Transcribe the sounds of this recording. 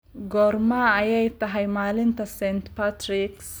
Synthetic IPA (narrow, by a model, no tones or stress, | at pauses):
ɡɔːrmɐːjɛjt̪ʰɐɦɛjmaːlɪnt̪ʰɐsɛnt̪pʰat̪ɾɪks